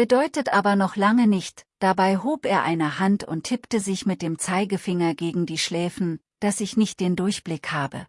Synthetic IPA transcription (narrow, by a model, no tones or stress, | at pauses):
b̥ədɔʏtətʔaːbɐnɔχlaŋənɪçtd̥abaɪɦoːpʔeːɐʔa̰ɪnəhantʊ̰ntʰhɪptəzɪçmɪt̚d̥eːmt͡saɪɡəfɪŋɐɡeːɡŋ̩diːʃlɛːfn̩ | d̥asɪçnɪçt̚d̥eːndʊɐçb̥lɪkhaːbə̰